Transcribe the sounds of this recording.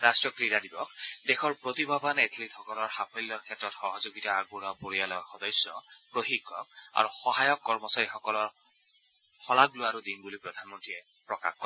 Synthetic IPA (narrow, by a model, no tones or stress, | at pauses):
ɹastɹɔkɹijadibɔkdexʰɔɹpɹot̪ibʱabanetʰlitʰɔkɔlɔɹxapʰɔlːɔɹkʰɛtɹɔtxɔɦɔzoɡitaːɡuɹɔpoɹialɔaxɔdɔjsjɔpɹoɦikːɔk̚a̰ɹuxɔɦajɔkːɔɹmɔsaɹixɔkɔlɔɹ | xɔlaɡlʊaɾudinbulipɹɔd̪ʱanmɔntɹiɛ | pɹɔka̰xkɔɛ